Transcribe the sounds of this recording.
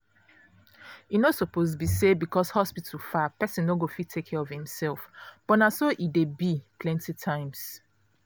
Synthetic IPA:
inosɔpozbisebikɔshɔspitʰəlfapɛsĩnːoɡofitʰekʰːɛɹɔv̥hĩmsɛlˠfb̥ɔnasoʔidebipʰlɛ̃ntitʰãɪ̃ms

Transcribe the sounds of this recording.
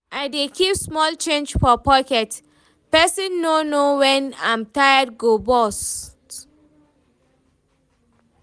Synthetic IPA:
ʔaɪdekʰipsmɔlt͡ʃẽnd͡ʒfɔpɔɪkɛt | pɛsɛ̃nːonowɛ̃nã̰ɪmtajəd̚ɡobɔst

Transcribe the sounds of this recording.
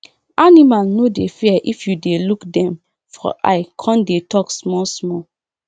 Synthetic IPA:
animalnodefɛʔifjudelukdɛ̃m | fɔ̰ʔa̰ɪkʰɔ̃ndetɔksmɔlsmɔl

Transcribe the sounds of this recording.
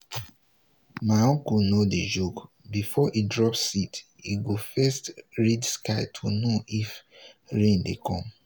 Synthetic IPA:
maɔ̃kunoded͡ʒok | bifɔʔidɹɔpsit | iɡofɛstɹidskaɪtʰunoʔifɹẽndḛkʰɔ̃m

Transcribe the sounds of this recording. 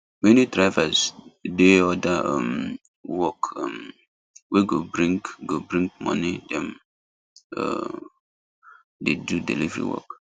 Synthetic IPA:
menidɹaɪvazdeɔdaɔ̰m | wɔkɔm | weɡobɾĩŋkɡobɾĩŋkmɔ̰nidɛ̃m | ɔ̰ | dedudḛlḭvɾḭwɔ̰k

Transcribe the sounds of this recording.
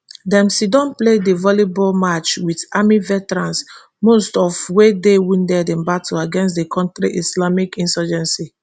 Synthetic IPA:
dɛ̃msidɔ̃npledevɔlibɔlmat͡ʃwitamivɛtɛɹãns | mostɔfwedewĩndɛdɛ̃mbatʰoaɡɛ̃nstdekʰɔ̃ntɹiʔislamikĩnsɔd͡ʒɛ̃nsi

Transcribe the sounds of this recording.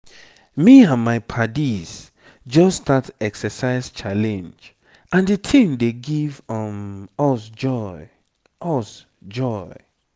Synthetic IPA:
miãnmaɪpʰadiz | d͡ʒɔsdatɛksəsaɪst͡ʃʰalɛ̃nd͡ʒ | ãndɨtʰĩmdeɡivɔmɔsd͡ʒɔɪ | ɔs | d͡ʒɔɪ

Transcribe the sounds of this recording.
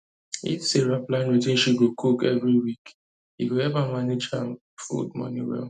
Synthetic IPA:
ḭtseɾaplãnwetĩnʃiɡokʰukɛvɹiwik | hiɡoɛvamaned͡ʒãn | fṵd̚mɔ̰niwɛ̰l

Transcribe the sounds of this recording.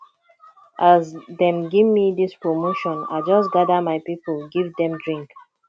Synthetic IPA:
ʔazdɛ̃mɡivmidispɹomoʃɔ̃na̰ɪd͡ʒɔsɡadamaɪpipəlɡivdɛ̃mdɹĩŋk

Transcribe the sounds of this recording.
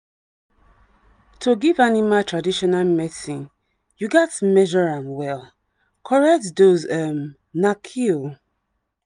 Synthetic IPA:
tʰoɡivanimatʰɹadiʃɔnalmɛsĩn | juɡɛtmɛʒɔɹãnwɛl | kʰɔɹɛk̚tdozɛm | nakʰio

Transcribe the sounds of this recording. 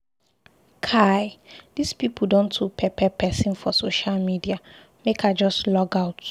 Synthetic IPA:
kʰajdispipʰudõntʰːupʰɛpʰɛpʰɛsĩnfɔsoʃalmidia | mekʰad͡ʒɔstlɔɡaʊt

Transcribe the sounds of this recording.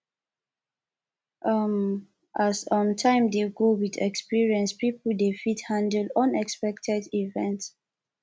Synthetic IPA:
ʔʌm | ʔasɔ̃ntʰãɪ̃mdeɡowidɛ̰kspiɹiɛ̃nspipəldefithãndəlɔ̃nɛkspɛk̚tʰɛdivɛ̃nt

